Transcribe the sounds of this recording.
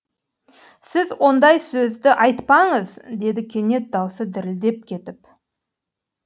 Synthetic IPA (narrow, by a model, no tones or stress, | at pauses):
sɪzwo̞nd̪ɑjsɵzd̪ɪʔɑjt̪pɑɴəzd̪e̞d̪ɪkʲʰe̞nʲe̞t̪̚d̪ɑwsəd̪ɪɾɪld̪e̞p̚kʲʰe̞t̪ɪp